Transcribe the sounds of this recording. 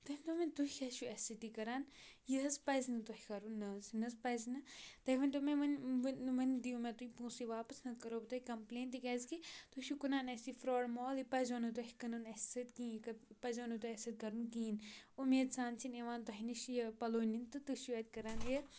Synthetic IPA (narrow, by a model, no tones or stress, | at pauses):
t̪ɐnʲt̪omẽt̪uikɐʃuɛsit̪ikɐɾaːnjiɐzpɐzinɐt̪ohikɐɾunːɐzinɐzpɐznɐt̪ɐɦʲʋɐnt̪omẽʋɐnʋɐnd̪iumẽt̪uipũːsiʋaːpɐsnɐkɐɾoːbt̪oikɐmpleːnt̪ikɛːzkit̪uʃukunaːnɐsifɾoːɽmoːlipɐzonut̪̬oɦikɐnunɐsɐt̪kĩːkɐpɐzoːnut̪uɛsɐt̪̚kɐɾunkiːnumeːd̪saːnt͡ʃʰineʋaːnt̪oɦiniʃjɐpɐloːnint̪ɨt̪uʃuɛt̪̚ʲkɐɾaːnjɐ